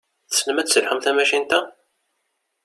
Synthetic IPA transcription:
θə̥snəmæsəlħəmθæmæʃint̪æ

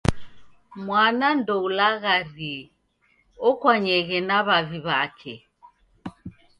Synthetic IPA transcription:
mwanandɔulaɣari | ɔkwaɲɛɣɛnaβaviβakʰɛ

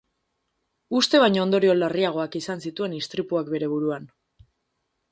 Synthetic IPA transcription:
ust̪e̞βajɲoːnd̪o̞ɾio̞lariaɣ̞o̞akisansit̪ue̞nist̪ɾipuakbe̞ɾe̞β̞uɾuan

